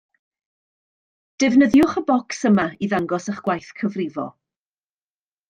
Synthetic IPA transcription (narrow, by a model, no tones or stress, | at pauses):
d̥ɛvnəðjʊχəbɔksəmaiðaŋɡɔsəχɡ̥wajθkʰəvrɪvɔ̰